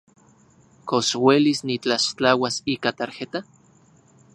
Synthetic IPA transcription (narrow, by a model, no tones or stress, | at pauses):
koswelisnit͡ɬaʃt͡ɬawasikat̪aɾxet̪a